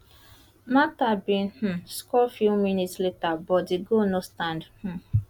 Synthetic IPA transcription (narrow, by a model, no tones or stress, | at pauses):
matabĩnh̩skɔfjuminitsletabɔtdeɡonostãndh̩